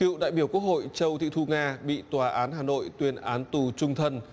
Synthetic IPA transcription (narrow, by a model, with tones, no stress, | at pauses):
kḭ˧˨wɗa̰ː˧˨jɓi˧˩əku˦˥ək̚ho̰˧˨jt͡ɕə˧wt̪ʰḭ˧˨t̪ʰu˧ŋaː˧ɓḭ˧˨t̪waː˨˩ʔaː˨˦nhɦaː˨˩no̰˧˨jt̪wi˧ənʔaː˨˦nt̪u˨˩t͡ɕʊ˧ŋ͡mt̪ʰə˧n